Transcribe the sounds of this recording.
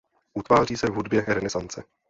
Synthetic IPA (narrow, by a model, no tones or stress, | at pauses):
ʔut̪vaːr̝iːsɛvɦudbjɛɾɛnɛzant͡sɛ